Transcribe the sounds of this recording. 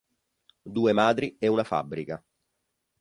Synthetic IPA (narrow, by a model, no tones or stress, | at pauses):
d̪uːemaːd̪ɾiɛunafa̰bːɾika